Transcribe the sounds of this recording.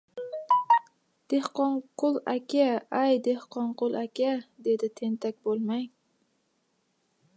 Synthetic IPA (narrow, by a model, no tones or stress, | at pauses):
d̪̥e̞hqɒɴqʰʊlˠakʲʰaajd̪e̞hqɒɴqʊlˠakʲʰad̪e̞d̪ɪt̪ʰe̞nt̪ʰakʲbolˠmaj